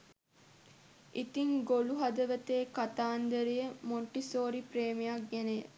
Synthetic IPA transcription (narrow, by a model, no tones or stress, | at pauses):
ʔit̪iŋɡoluɦɐd̪əʋət̪eːkat̪aːnd̪əɾijəmoɳʈisoːɾipɾeːmijɐk̚ɡene